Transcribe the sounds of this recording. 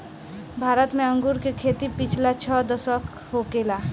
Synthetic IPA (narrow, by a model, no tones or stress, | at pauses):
bʱaːɾət̪mẽə̃ŋɡuɾkekʰeːt̪ipit͡ʃʰlat͡ʃʰɔd̪əsək | ɦokela